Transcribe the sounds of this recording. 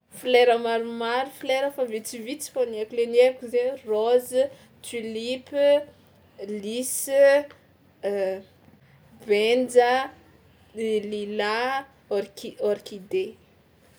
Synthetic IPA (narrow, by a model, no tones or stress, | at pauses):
fleɾəmaɾumaɾufileɾəfavit͡sivit͡si̥foniekuleneɾkʲuzeroz | tilip | lis | bend͡zə | lila | ɾkioɾikid̪e